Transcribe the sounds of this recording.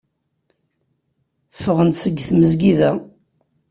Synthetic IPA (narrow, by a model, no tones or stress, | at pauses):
fəʁənt̪səɡːθməzɡiðæ